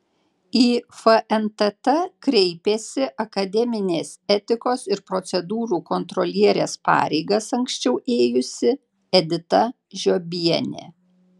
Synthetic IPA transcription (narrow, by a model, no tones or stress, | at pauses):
iːfɐʔɛnt̪ɐt̪ɐkɾʲɛɪpʲeːsʲɪʔɐkɐd̪ʲɛmʲɪnʲeːsɛt̪ʲɪkoːsɪɾpɾɔt̪sʲɛd̪uːɾuːkɔnt̪ɾɔlʲiɛɾʲeːspɑ̰ːɾʲɛɪɡɐsɐŋksʲt͡ʃʲɛʊʔeːjʊsʲɪ | ɛd̪ʲɪt̪ɐ | ʒʲoːbʲiɛnʲḛː